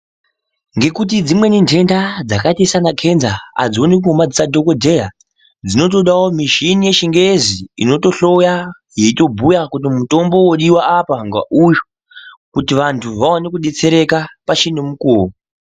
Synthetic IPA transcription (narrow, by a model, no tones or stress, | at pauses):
ŋɡe̞kutid͡zimwe̞nintʰe̞ndad͡zakatisanakʰe̞nzaa̰d͡zonik̬umad͡zisadʱo̞kodʱe̞ja | d͡zino̞t̬o̞ɗawomiʃinije̞ʃiŋɡeziḭno̞to̞ɬo̞ja | je̞ito̞bʱujakut̬imuto̞mbo̞woɗiwaːpaŋɡa̰ʔujo | kutiʋantʰuʋaonekuɗet͡se̞ɾe̞kapat͡ʃinemukoːmo